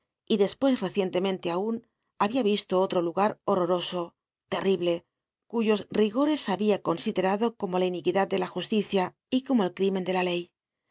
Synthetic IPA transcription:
iðe̞spwe̞sre̞θje̞nt̪e̞mẽnt̪eaun | aβiaβ̞ist̪oot̪ɾo̞luɣaɾo̞ro̞ɾo̞so̞ | t̪e̞riβle̞ | kuʝo̞sriɣo̞ɾe̞saβiako̞nsiðe̞ɾaðo̞ko̞mo̞lainikiðat̪̚d̪e̞laxust̪iθja | iko̞mo̞e̞lkɾimend̪e̞lale̞j

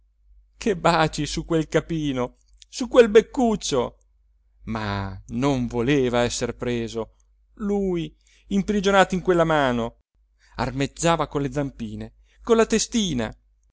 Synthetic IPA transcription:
kʰebaːt͡ʃisukːwelkapiːno | sukwelbekːut͡ʃːo | ma̰noɱvoleːvaɛsːerpɾeːzo | luːj | impɾid͡ʒonaːt̪oiŋkwelːamaːno | a̰rmed͡ʒːaːvakonled̪zampiːne | konlːat̪est̪iːna̰

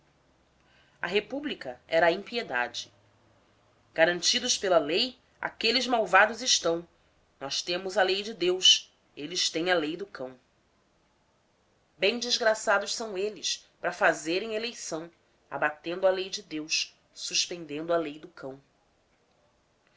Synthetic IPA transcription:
ɐ̰ɦepublikɐɛɾɐĩpied̪a̰d͡ʒɪ | ɡ̥aɾɐ̃nt͡ʃid̪ʊʃpelɐlej | a̰kelɪzmawvad̪ʊzɪʃt̪ɐ̃w̃ | nɔʃt̪ẽmʊzɐlejd͡ʒɪd̪ews | elɪʃt̪ẽj̃ɐlejd̪ʊkʰɐ̃w̃ | bẽj̃d͡ʒɪzɡɾasad̪ʊʃsɐ̃w̃elɪspɾɐfazeɾẽj̃elejsɐ̃w̃ | a̰bat̪ẽnd̪ʊɐlejd͡ʒɪd̪ews | suʃpẽnd̪ẽnd̪ʊɐlejd̪ʊkʰɐ̃w̃

